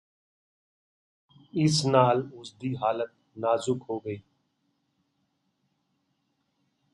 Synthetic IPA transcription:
ɪsnaːlʊsd̪iːɦaːlət̪̚ | naːzʊkɦoːɡəiː

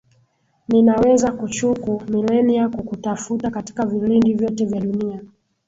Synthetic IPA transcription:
ninawɛzakut͡ʃukumilɛnijakukutafutakati̥kavilindivjɔtɛvjaɗunia

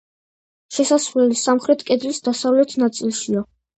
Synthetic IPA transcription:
ʃɛsasvlɛlisamχɾɛt̪ʰkʼɛd̪lisd̪asavlɛt̪ʰnat̪sʼilˠʃia

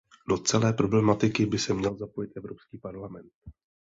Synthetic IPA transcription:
do̞t͡sɛlɛːpɾo̞blɛmat̪ɪkɪbɪsɛmɲɛlzapo̞jɪt̪ʔɛvɾo̞pskiːpaɾlamɛnt̪

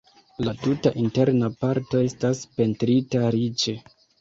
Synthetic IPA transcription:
latutaʔinte̞ɾnapaɾto̞e̞staspe̞ntɾitaɾit͡ʃe̞

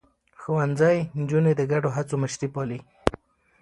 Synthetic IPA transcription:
xowanzajnd͡ʒuned̪əɡaɖoɦat͡soməʃɾipɑli

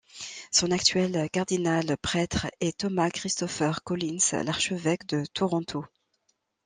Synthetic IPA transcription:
sɔ̃nakt̪ɥɛlkaʁd̪inalpχɛt̪χɛt̪ɔmakχist̪ɔfœʁkɔlinslaʁʃəvɛkd̪ət̪ʰuʁɔ̃t̪ʰo

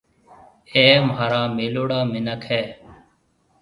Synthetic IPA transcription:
eːmɦaːɾaːmeːloːɽaːmɪnəkʰɛː

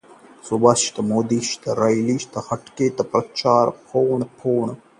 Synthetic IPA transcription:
subɐʃt̪ɐmoːd̪iʃt̪ɐɾɐjliʃt̪ɐxɐʈkeːt̪ɐpɾɐt͡ʃaːɾpʰoːɳpʰoːɳ

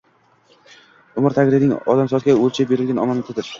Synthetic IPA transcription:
ʊmɪɾt̪ʰakʲɾɪnɪŋɒ̰d̪amsɒt̪ɡʲaolt͡ʃʰabe̞ɾɪlɡʲanɒ̰manɪt̪ʰɪd̪ɪɾ

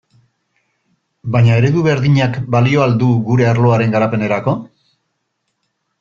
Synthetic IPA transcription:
bajɲae̞ɾe̞ðuβe̞ɾðiɲakbalio̞ald̪uɡuɾe̞aɾlo̞aɾe̞ŋɡaɾape̞ne̞ɾako̞

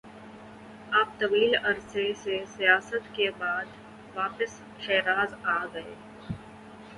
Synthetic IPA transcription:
aːp̚t̪ɐʋiːlɐɾsesesijaːsət̪kebaːd̪ | ʋaːpəs | ʃɛːɾaːzaːɡɐḛː

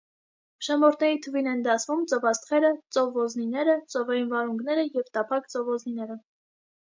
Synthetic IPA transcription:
ʃɑmɔɾt̪ʰnɛɾit̪ʰəvinɛnd̪ɑsvumt͡sɔvɑst̪χɛɾət͡sɔvɔzninɛɾət͡sɔvɑjinvɑɾuŋɡnɛɾəjɛvt̪ɑpʰɑkt͡sɔvɔzninɛɾə

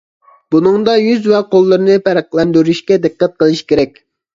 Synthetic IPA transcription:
b̥unɨŋd̪ɑjyzvɛqʰolˠːɨɾɨnɨpæɾqlˠɛnd̪yɾyʃkʲɛd̪ɨqːæt̪̚qəlˠɨʃkʲeɾɛkʲ

